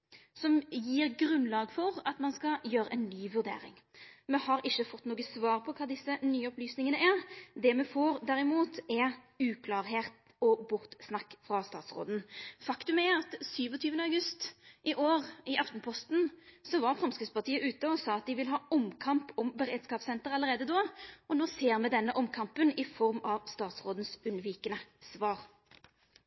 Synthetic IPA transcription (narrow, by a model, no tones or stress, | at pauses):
sɔmjiːʁɡɾʉnlɑːɡfɔʁɑt̪mɑnskɑjøːɾəʔɛnnːyːʋʉɾd̪ḛːɾɪ̰ŋmɛhɑɾɪʃːəfɔt̪ːnoːɡəsʋɑːʁpʰɔkʰɑːd̪ɪsːənyːəɔplyːsnɪŋənəʔæʁd̪ɛmɛfoːɾd̪æɾɪmuːt̪ɛ | ʉːkʰlɑːɾɦeːt̪ | ɔbʊʁt̪snɑkːfʁɑst̪ɑːt̪sʁo̰ːd̪n̩fɑkt̪ʉmæɾɑt̪syːʋɔt̪ʰyːʋənəɑʉɡʉst̪ʔɪʔoːʁɪʔɑft̪npʰɔst̪nsɔʋɑɾfʁɑmskəspɑʁt̪ʰiːəʔʉːt̪əɔsɑːɑt̪̚d̪ɪʋɪlɦɑːɔmkʰɑmpɔmbəɾeːd̪skɑːpsɛnt̪əɾɑləʁeːd̪əd̪oːɔnoːseːɾmɛd̪ɛnːəʔɔmkʰɑmpənɪfɔɾmɑʋst̪ɑːt̪sʁoːd̪n̩sʉnʋiːkənəsʋɑːɾ